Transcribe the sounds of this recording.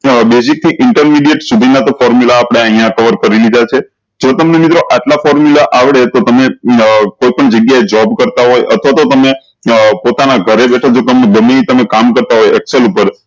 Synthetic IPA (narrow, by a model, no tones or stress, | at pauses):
besik̚t̪iʔɪɳʈəɾmiɖijeʈsud̪ʱinat̪ofɔɾmjulaːpɽ̃eəɦijãkəʋəɾkəɾilid̪at͡ʃʰe | d͡ʒot̪əmnemit̪ɾoʔaʈlafɔɾmjulaʔaʋɽet̪ot̪əmekoipəɳd͡ʒəɡjaed͡ʒɔbkəɾt̪aɦojʔə̰t̪ʰʋat̪ot̪əme | pot̪anaɡʱəɾebɛʈʰad͡ʒot̪əmneɡəmiit̪əmekamkəɾt̪aɦojɛkselupəɾ